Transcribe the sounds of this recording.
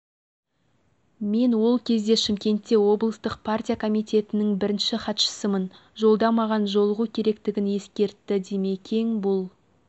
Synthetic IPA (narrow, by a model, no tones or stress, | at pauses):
me̞nwo̞lˠkʲʰe̞zd̪e̞ʃɪmkʲe̞nt̪ːe̞wo̞blˠəst̪əqpʰart̪ʲijakʰo̞mijt̪ʲe̞t̪ɪnɪŋbɪɾɪnʃɪχɑt̪ʃə̥səmən | ʒo̞lˠd̪ɑmɑʁɑnʒo̞lˠəʁukʲʰe̞ɾe̞kt̪ɪɡʲɪnje̞skʲe̞ɾt̪ːɪd̪e̞me̞kʲʰe̞ŋbʊlˠ